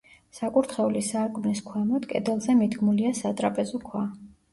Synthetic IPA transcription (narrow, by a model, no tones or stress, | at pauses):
sakʼuɾt̪ʰχɛulisaɾkʼmniskʰwɛmɔd̪kʼɛ̰d̪ɛlˠzɛmid̪ɡmuliasat̪ʼɾapʼɛzɔkʰwa